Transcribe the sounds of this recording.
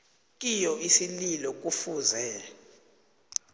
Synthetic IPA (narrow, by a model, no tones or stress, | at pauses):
k̬ʼijɔisililɔk̬ʼufuːzɛ